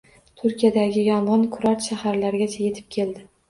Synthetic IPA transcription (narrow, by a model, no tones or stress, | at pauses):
t̪ʰʊɾkʲʰijad̪aɡʲɪjɒmʁɑnkʰʊɾat̪ʃahaɾlaɾɡʲat͡ʃʰaje̞t̪ʰɪ̥p̚kʲʰe̞ld̪ɪ